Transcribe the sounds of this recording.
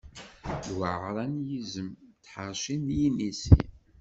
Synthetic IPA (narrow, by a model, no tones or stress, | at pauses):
lwəʕɾˤɑnjizəmt̪ħəɾˤʃinjinisḭn